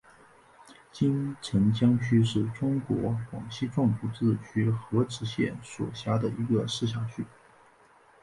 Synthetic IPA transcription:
t͡ɕi˥nʈ͡ʂʰə˧˥ŋt͡ɕjɑ˥ŋt͡ɕʰy˥ʂɻ̩˥˩ʈ͡ʂʊ˥ŋkwɔ˧˥xwɑ̰˨˩ŋɕi˥˧ʈ͡ʂwɑ˥˧ŋpu˥˩t͡sɹ̩˥˩t͡ɕʰy˥xɤ˧˥ʈ͡ʂɻ̩˧˥ɕjɛ˥˩nswɔ̰˨˩ɕja˥d̪ə˨˩i˧˥ɡə˧ʂɻ̩˥˩ɕ̬jɑ˥˩ŋt͡ɕy˥˩

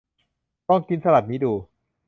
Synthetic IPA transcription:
t̪ɔ˥˩ŋki˧nsa˧la˨˩t̪̚niː˦˥duː˧

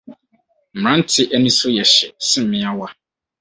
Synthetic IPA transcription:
ɾ̃ã˦n̩˦tʰɪ˨ʔæ˦nĩ˦sʊ˦jɛ˨ɕɛ˨sɪ̃˦m˦mɪ̃˦a˦wa˦

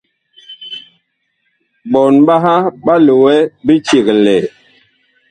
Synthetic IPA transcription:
ɓɔ˨nɓa˦ɦa˦ɓa˦lu˨wɛ˦bi˦t͡ʃi˨kle˨

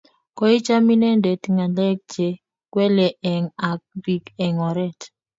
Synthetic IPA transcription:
kɔ˦i˦t͡ʃa˦mi˦nɛ˦nde˨ti˨ŋa˨lɛ˦k̚d͡ʒe˨ | kwɛ˦lɛ˨ʔɛ˨ŋa˨k̚bi˨kɛ˨ŋɔ˨ɾɛ˦t

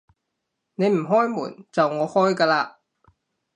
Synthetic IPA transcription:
ne˨˧jm̩˨˩ɦɔː˥jmṵː˨˩nt͡sɐ˨wŋɔː˨˧hɔː˥jkaː˧laː˧

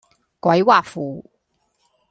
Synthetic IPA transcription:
kwɐ˨˧˥jwaː˨˩fuː˨˩

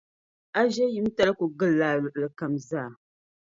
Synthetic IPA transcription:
a˦ʒɛ˦ji˦m˦ta˦lku˨ɡɨ˦lːaː˨lʊ˨ʔɨ˨lɨ˨ka˨mzaː˦˨

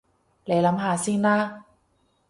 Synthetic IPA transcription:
lɛ˨˦la˨˦mɦaː˨˩˦si˧ŋnaː˥˨

